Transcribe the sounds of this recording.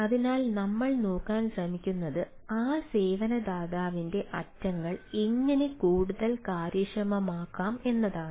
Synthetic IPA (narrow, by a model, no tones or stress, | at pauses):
ɐðinaːlnɐmːɐɭnoːkːaːnɕrɐmikʲːunːɐðɨ | aːse̞ːʋɐnɐd̪aːðaːʋinde̞ʔɐtːɐŋːɐɭiŋːɐne̞kuːɽuðɐlkaːɾjɐʂrɐmɐmaːkːaːme̞nːɐðaːɳɨ